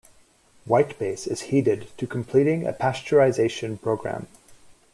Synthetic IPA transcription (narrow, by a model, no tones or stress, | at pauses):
waɪt̚b̥eɪsɨz̥hiɾɪd̚tʰɨkʰm̩pʰl̥iɾɪ̃ŋɨ̰pʰæst͡ʃə˞azeɪʃɨ̃npʰɹ̥oʊɡɹæ̰̃m